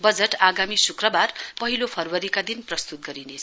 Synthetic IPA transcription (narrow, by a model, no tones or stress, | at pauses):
bʌd͡zeʈaɡamisukrʌbarpʌɦilopʰʌrwʌɾikad̪inprʌst̪ut̪̚ɡʌɾinet͡sʰ